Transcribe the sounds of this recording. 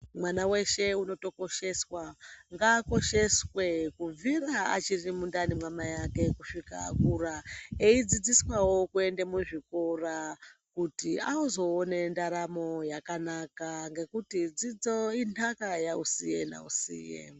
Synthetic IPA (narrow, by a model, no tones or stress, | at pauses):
mwanawe̞ʃe̞uno̞to̞ko̞ʃe̞swaŋɡaːko̞ʃe̞swe̞kuviɾaa̰t͡ʃirimundanimwamajake̞kuʂika̰ːkuɾaeid͡zid͡ziswawokue̞ndemuʐiko̞rakutiauzo̞ːne̞ndaɾamo̞jakanakaŋɡe̞kutid͡zid͡zoinakajausije̞na̰ṵsḭːjḛ